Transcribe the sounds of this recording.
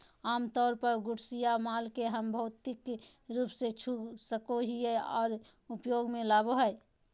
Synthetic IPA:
aːmt̪ɔːɾpəɾɡʊʈsijamaːlkeɦəmbʱəʊt̪ik | ɾuːpset͡ʃʰusəkoɦieɔ̰ːɾ | upjoːɡmẽlaːboɦə

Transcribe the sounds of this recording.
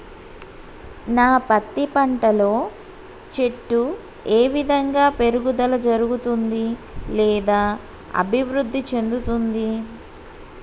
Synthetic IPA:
naːpɐt̪ːipɐɳʈɐlo̞ː | t͡ʃe̞ʈːu | eːʋid̪ʱɐŋɡaːpe̞ɾuɡud̪ɐlɐd͡ʒɐɾuɡut̪und̪i | lɛːd̪aː | ɐ̰bʱiʋɾud̪ʱːit͡ʃe̞nd̪ut̪und̪i

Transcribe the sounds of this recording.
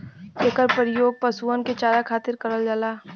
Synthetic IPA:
eːkəɾpəɾɪjoːɡ̚pɐsuːənket͡ʃaːɾakʰaːt̪ɪɾkɐɾəld͡ʒaːlaː

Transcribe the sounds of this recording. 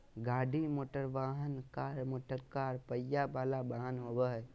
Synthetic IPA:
ɡaːɖʱimoːʈəɾʋaːɦənkaːɾmoːʈəɾkaːɾpəjabaːlabaːɦənɦoːbəɦɛ

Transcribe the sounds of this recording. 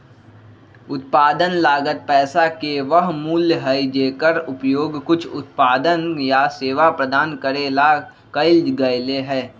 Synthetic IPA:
ʊt̪̚paːd̪ənlaːɡət̪̚pɛːsakeʋəɦmuːljɦəid͡ʒeːkəɾʊpjoːɡkʊt͡ʃʰʊ̰t̪̚paːd̪ənjaseːʋapɾəd̪aːnkəɾela | kəɪld͡ʒɡəjleɦɛ̃ː

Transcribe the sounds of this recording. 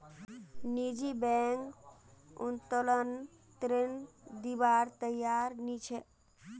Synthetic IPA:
nid͡ʒibɛŋk | ṵnt̪olən | t̪ɾend̪ibaɾt̪əjaɾnit͡ʃʰɛ

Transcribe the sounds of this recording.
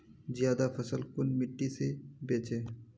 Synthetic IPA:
zjaːd̪afʰɐsəlkʊnmɪʈːisebeːt͡ʃeː

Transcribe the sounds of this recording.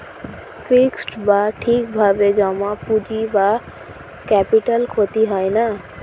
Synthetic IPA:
fʰiksʈbaʈʰik̚bʱabed͡ʒɔmapud͡ʑiba | kɛpiʈəlkʰot̪iɦajna

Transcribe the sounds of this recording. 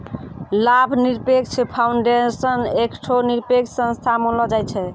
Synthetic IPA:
labʱniɾpek̚t͡ʃʰpʰawɳɖesənekʈʰoniɾpekʰsə̃nst̪ʰamonlɔd͡ʒajt͡ʃʰɛ

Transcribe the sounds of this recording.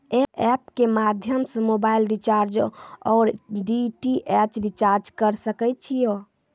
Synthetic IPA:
ɛɛpkemad̪ʱjəmsəmobailɖit͡ʃaɾd͡ʒɔːɾɖiʈiʔɛt͡ʃɖit͡ʃaɾd͡ʒkəɾsəkɛt͡ʃʰijo

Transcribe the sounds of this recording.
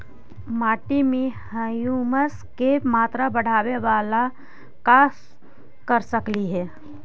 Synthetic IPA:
maːʈimẽhəjuməs | kemaːt̪ɾabɐɽ̤aːʋeʋaːla | kaːs | kəɾsəkliɦɛː

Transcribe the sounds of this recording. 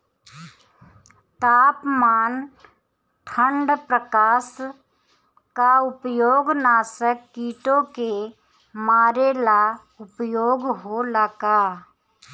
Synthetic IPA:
t̪aːpmaːn | ʈʰə̃ɳɖpɾəkaːs | kaʊpjoːɡnaːsəkːiːʈõke | maːɾela | ʊpjoːɡɦoləkaː

